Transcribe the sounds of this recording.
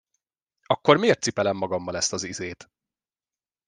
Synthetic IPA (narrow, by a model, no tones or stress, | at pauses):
ɒkːo̞rmeːrt̪sipɛlɛmːɒɡɒmːɒlɛst̪ɒzizeːt̪